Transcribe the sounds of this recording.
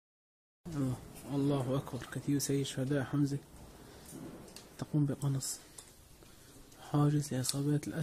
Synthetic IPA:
ʔɑlˤːɑːhʔakbɑɾˤkaθiːwsajːɪʃʊhad̪aːʔħamzak | t̪aquːmbɪqɑnɑsˤ | ħaːd͡ʒɪzlɪʔɪsˤɑːbaːt̪ɪlʔa

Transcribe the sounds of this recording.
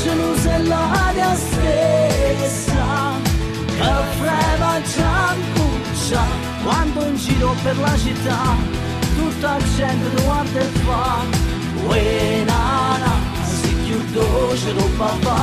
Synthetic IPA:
d͡ʒəluzelːad̪jast̪e | sa | kəfɾɛvad͡ʒaŋku | t͡ʃːa | kwand̪oind͡ʒiːɾopeɾlat͡ʃit̪ːa | t̪ut̪ːad͡ʒɛnt̪ed̪uand̪efa | wenaɾa | sikjud̪oʃəlopava

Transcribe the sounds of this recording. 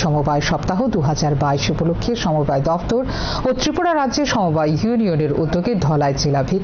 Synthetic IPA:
ʃɔmobaeʃɔpt̪aɦod̪uɦad͡ʑaɾbaiʃupolokʰːeʃɔmobaed̪ɔft̪oɾ | ot̪ɾipoɽaɾadʑeʃɔmobajjunioneɾṵd̪ːoɡed̪ʱɔlaed͡ʑelabʱe

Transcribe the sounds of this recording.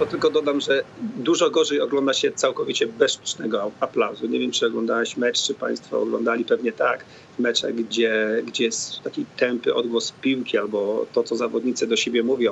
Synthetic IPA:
t̪ɔt̪ɘlkɔd̪ɔd̪amʐɛd̪uʐɔɡɔʐɛjɔɡlɔnd̪aɕɛt̪sawkɔvʲit͡ɕɛbɛʂt̪u̥t͡ʂnɛɡɔaplawzuɲevʲjɛmt͡ʂɘɔɡlɔnd̪awɛɕmɛt͡ʂt͡ʂɘpa̰j̃st̪fɔ̰ɔ̰ɡlɔ̰nd̪alʲipɛvɲɛt̪ak | vmɛt͡ʂa̰ɣɡd͡ʑɛɡd͡ʑɛjɛst̪akʲejt̪ɛmpɘʔɔd̪ɡwɔspʲiwkʲialbɔt̪ɔt̪sɔzavɔd̪ɲit̪sɨd̪ɔɕebʲjɛmuvʲɔ̃w̃

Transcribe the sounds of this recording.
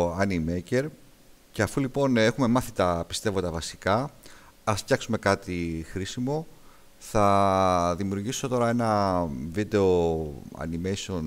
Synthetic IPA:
ɐnimece̞ɾ | ce̞ɐfulipo̞ne̞xume̞mɐθit̪ɐpist̪e̞vot̪d̪ɐvɐsikɐ | ɐsftçɐksume̞kɐt̪ixɾisimo̞ | θɐðimiuɾʝiso̞t̪o̞ɾɐe̞nɐvid̪e̞oɐ̰nimejson

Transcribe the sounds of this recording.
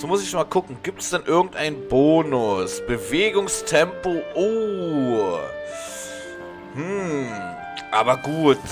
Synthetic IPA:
z̥omʊsɪçmaːlkʰʊkŋ̩ɡiːp̚tɛ̥sd̥ɛnʔɪɐɡŋ̩tʔaɪnənboːnʊsb̥əveːɡʊŋstʰɛmpoʔoː | hm̩ | ʔaːbɐɡuːt

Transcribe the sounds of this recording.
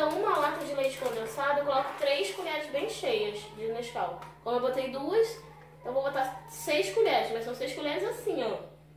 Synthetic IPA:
ɐ̃w̃ũmɐɔt̪ɐ̃d͡ʒɪlejt͡ʃɪ̥kɐ̃nd̪ẽsad̪ɐewkolɔkʊ̥t̪ɾejskulɛɾɐzbẽj̃ʃejɐzd͡ʒɪneʃkawkõnd̪ʊewbot̪ejd̪uɐs | t̪ɐ̃vowbot̪asejskuʎɛɾɪsmɐjsɐ̃w̃sejʃkulɛɾɪzasĩɲõ

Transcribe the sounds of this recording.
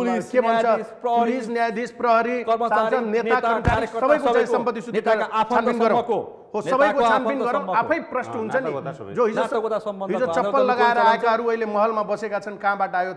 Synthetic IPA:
lkebʱʌnt͡sʰʌ | ulis̬njajd̪ʱisprʌɦʌɾiaat͡sʰʌnet̪akʌnkaɾissʌbʌjkoʌbãj̃ʌmpʌt̪ːisunʱet̪at͡sʰanpinɡʌɾã | ɦosʌbʌjkot͡sʰaninɡʌɾãw̃apʰʌjprʌsnɦunt͡sʰʌni | d͡zoɦid͡zoɦid͡zot͡sʌpːʌnlʌɡaeɾʌaekaɦʌɾuʌɦilemʌɦʌlmabʌsekat͡sʰʌnkãbaʈʌːjo

